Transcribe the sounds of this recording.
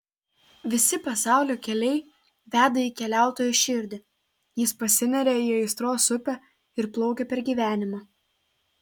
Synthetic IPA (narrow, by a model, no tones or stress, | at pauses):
ʋʲɪsʲɪpɐsɑˑʊlʲoːkʲɛlʲɛɪ | ʋʲæːd̪ɐiːkʲɛlʲæˑʊt̪oːjuʃʲɪɾʲd̪ʲɪ | jɪspɐsʲɪnʲɛɾʲɛiːɐɪst̪ɾoːsʊpʲɛ | ɪɾplˠɔʊkʲepʲɛɾɡʲiːʋʲæːnʲɪmɐ